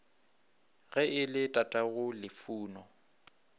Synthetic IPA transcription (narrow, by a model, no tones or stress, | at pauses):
ɣɛɪlɪtʼatʼaɣʊlɪfuːnɔ